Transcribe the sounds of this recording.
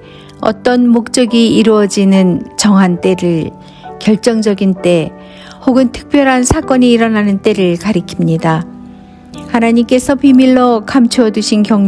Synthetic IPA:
ʌ̰t͈ʌnmok̚t͡ɕ͈ʌɡiiɾuʌd͡ʑinɯnt͡ɕʌŋɦant͈e̞ɾɯɭ | kjʌɭt͡ɕ͈ʌŋd͡ʑʌɡint͈e̞ | hoɡɯntʰɯ̥k̚p͈jʌɾɦansʰak͈ʌɲiːɾʌnanɯnt͈e̞ɾɯɭkaɾikʰimɲida | hanaɲimk͈e̞sʰʌpimiɭːokamt͡ɕʰoʌduɕʰinkjʌŋ

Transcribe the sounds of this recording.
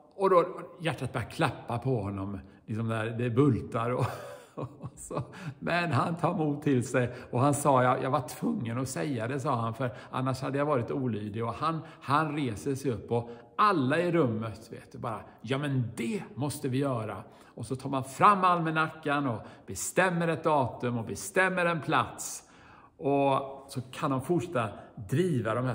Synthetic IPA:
ɔd̪ɔjæʈːat̪̚bœːjakʰlapːapʰɔhɔnːɔmlɪks̬ɔmd̪ɛæːɾd̪ɛbɵlt̪aɾɔ | sɔmɛnhant̪ʰɑːɾmuːt̪ʰːɪlsɛjɔɦansɑːjɑjɑ̰ːɡvaʈʰvɵŋːənɔsɛjːad̪ɛs̬ɑːhanfœɾʔa̰nːaʂhad̪ːəjajvɑːɾɪt̪uːlyːd̪ɪɔhanhanɾeːsəsɛjɵpːɔ | alːaɪɾɵmːət̪vḛːt̪̚d̪ɵbɑːɾa | jɑːmɛnd̪ɛmɔst̪əvɪjœːɾa | ɔsɔt̪ʰɑːɾmanfɾamːalmɛnakːanɔb̥ɛst̪ɛmːəɾɛt̪̚d̪ɑːt̪ɵmɔbɛst̪ɛmːəɾɛnpʰla̰t̪s | ʔɔsɔkʰandɔnfʊʈʂɛt̪ːad̪ɾiːvad̪ɔmhæ

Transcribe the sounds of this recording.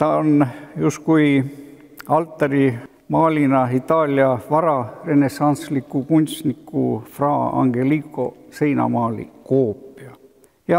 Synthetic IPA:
t̪ɑonjust̪kuj | ɑlt̪ˑːɑɾi | mɑːlʲinɑit̪ːɑːlʲiɑvɑɾɑre̞nesɑnslikːˑukunʲst̪nikːˑufrɑːɑ̰ŋɡ̥e̞likˑo̞se̞jnɑ̰mɑːlḭkoːpːˑiɑ | jɑ

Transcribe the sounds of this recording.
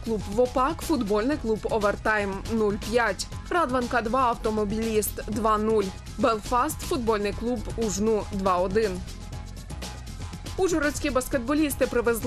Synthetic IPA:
klˠubʋɔpɑkfud̪bɔlʲnɪjklˠubɔʋert̪ɑjmnulʲpʲjatʲ | rɑd̪ʋɐnkɐd̪ʋɑɐwt̪ɔmɔbʲilʲist̪d̪ʋɑnulʲ | belˠfɑst̪fud̪̚bɔlʲnɪjklˠubuʒnud̪ʋɑɔd̪ɪn | uʒɔɾɔsʲkʲibɐskʲed̪̚bɔlʲist̪ɪpɾɪʋezlˠ

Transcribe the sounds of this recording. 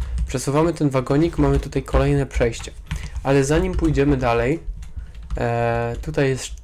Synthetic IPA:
pʂɛsuvamɘt̪ɛnvaɡɔɲikmamɘt̪ut̪ajkʰɔlɛjnɛpʂɛjɕt͡ɕɛ̥ | ʔalɛzaɲimpujd͡ʑɛmɘd̪alɛj | t̪ut̪ajːɛst̪

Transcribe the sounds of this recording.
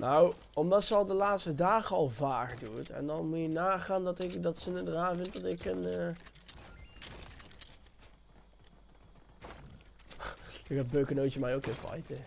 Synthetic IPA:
nʔaw | ɔmdɑtsəɔlˠdəlaːtstədaːχəɑlˠvaːkdutɛ̰ndɑnmutjənaːχaːndɑtɪkdɑtsənədəraːnvɪnt̚dɔtɪkən | t̚bøɥkənowtəmɛjokɪnvɑ̰jtə

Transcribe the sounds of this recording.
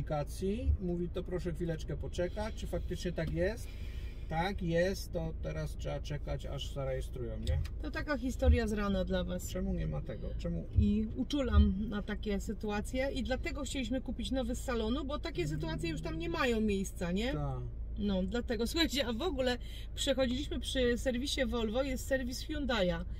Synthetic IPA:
ikat̪sʲjimuvʲit̪ɔpɾɔʂɛxfʲilɛt͡ʂkɛpɔt͡ʂɛkat͡ɕt͡ʂɘfak̚t̪ɘt͡ʂɲɛt̪akjɛst̪ː | akjɛst̪ːɔt̪ɛɾastʂɛbat͡ʂɛkat͡ɕa̰ʐzaɾɛjɛst̪ɾujɛmɲɛt̪ɔt̪akaxʲist̪ɔɾjazɾanad̪lavast͡ʂɛmuɲɛmat̪ɛɡɔ̰t͡ʂɛmuiut͡ʂulamnat̪akʲɛsɘt̪uat̪sʲjɛʔid̪lat̪ɛɡɔxt͡ɕelʲiɕ̬mɘkupʲit͡ɕnɔvɘsalɔnubɔt̪akʲɛs̬ɘt̪uat̪sʲjɛjuʂt̪amɲɛmajɔ̃w̃mʲjejst̪saɲɛ | nɔd̪lat̪ɛɡɔsuxat͡ɕɛavɔɡulɛ | pʂɛxɔd͡ʑilʲiɕmɘpʂɘsɛɾvʲiɕɛvɔlvɔjɛst̪sɛɾvʲisfʲjund̪aja

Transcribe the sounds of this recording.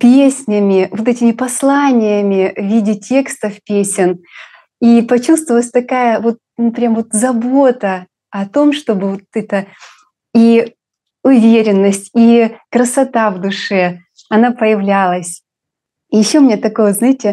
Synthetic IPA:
pʲesʲnʲəmʲɪvot̪̬ɛtʲɪmʲɪpɐslˠanʲɪjəmʲɪvʲidʲɪtʲʰe̞kst̪əfpʲesʲɪn | ipɐt͡ɕust̪vəlˠəsʲt̪ɐkajəvo̞t̪̚nupɾʲjʲamvo̞t̪zɐbo̞t̪ə | ɐt̪o̞mʂt̪o̞bɨvot̪ɛt̪ə | i | ʊvʲeɾʲɪnːəsʲtʲikɾəsɐt̪avd̪ʊʂɛ | ɐnapəjɪvlʲalˠəsʲ | jɪɕːomʲɪnʲet̪ɐkojznajɪtʲɪ

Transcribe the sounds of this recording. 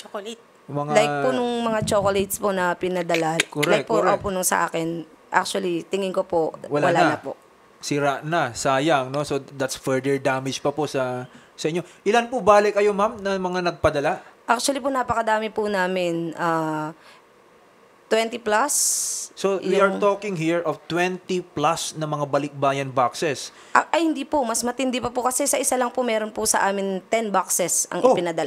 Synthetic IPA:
t͡ʃoklt̪̚ | mɐŋalajk̚pʊnʊŋmɐŋat͡ʃokolet̪sponɐpɪnɐd̪ɐlakoɾajk̚pʊʔʔɐopʊnʊŋsɐ̰ʔa̰ːkɛn | ʔa̰k̚t͡ʃwɐlit̪ɪŋɪŋkopoʔwɐlwɐlaanɐpo̰ʔ | sɪɾaʔnɐsaːjaŋno̞sod̪at̪sfɛɹd̪ɛɹd̪aːmɪd͡ʒpɐpoʔsɐ | sɐʔɪɲːo̞ʔɪlanpʊbaːlɪkːɐjo̞mamnɐmɐŋanɐɡ̚pɐd̪ɐlaʔak̚t͡ʃʊɐliponaːpɐkɐd̪aːmɪpʊnaːmɪnʔaː | t̪wɛnt̪iplasːowiɐɹt̪oːkɪŋɦiɹovt̪wɛnt̪iplasnɐmɐŋabɐlɪk̚baːjɐnbaksɛs | ʔɐjhɪnd̪iːpomɐsmɐt̪ɪnd̪ɪpɐpʊkɐsɛsɐʔɪsalɐŋpʊmɛːɾonpʊsɐʔaːmɪnt̪ɛnbaksɛsɐ̰ŋʔɪpɪnɐd̪ɐla

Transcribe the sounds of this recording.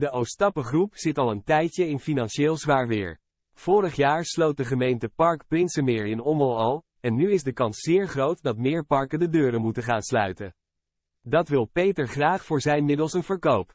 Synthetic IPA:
dəowstɑpəχrupz̥ɪtɑlˠəntɛjtjəɪnfinɑnʃeːlˠzʋaːɹʋɪ̰ːɹ | v̥ʊːɾəχjaːɹslowt̚dəχəmejntəpɑɹkprɪnsəmɪːɹɪnɔməlˠɑlˠ | ɛnːyɪzdəkɑnsːɪːɹχrowtdɑtmɪːɹpɑɹkəndədøːɾəmutəχaːnslœɥtə | dɑtʋɪlˠpejtəɹχraːχfʊːɹzɛjnmɪdəlˠsənvəɹkowp

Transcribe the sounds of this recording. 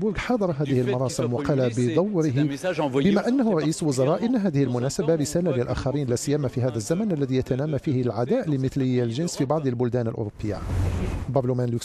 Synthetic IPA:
bʊɾɡħɑd̪ˤɑɾˤɑɦæːd̪əhəlmʊɾˤɑːsəmwɑqɑlabəd̪ˤɑwːɾəɦbəmaʔænːahʊɾˤɑʔiːslwʊzɑɾˤɑʔənːɦæːd̪ɪhɪlmʊnæsabaɾəsæːlalɪlʔæ̰ːxɑɾiːnlæsɪjːæmafihæːd̪æzːæmænʔælːæðijæt̪ænæːmafihlʕad̪æːʔləməθlɪjːalʒɪnsfibɑʕd̪ˤəlbʊld̪æːnəlʔʊ̰ɾˤopʰːəjːa̰ | bɑblumænluk

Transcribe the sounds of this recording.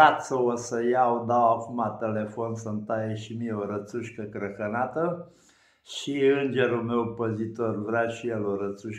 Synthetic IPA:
at̪səosəjaod̪awakumat̪ele̞fo̞nsənt̪ajeʃimieoɾət̪suʃkəkɾəkənat̪ə | ʃiɨnd͡ʒe̞ɾulme̞wpəzit̪o̞rvɾaʃijeloɾət̪suʃ

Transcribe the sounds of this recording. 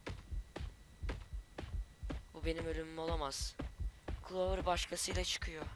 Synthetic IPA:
bube̞nimølʲymymo̞lˠamaz̥ | kʰlˠovɯɾbaʃkʰasɯjlˠat͡ʃʰɯ̥kʰɯjo

